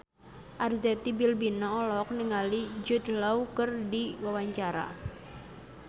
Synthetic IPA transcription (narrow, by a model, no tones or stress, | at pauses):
ʔarzɛt̪ibilbinaɔlɔk̚niŋalid͡ʒut̪̚laukərdiwawaɲt͡ʃaɾa̰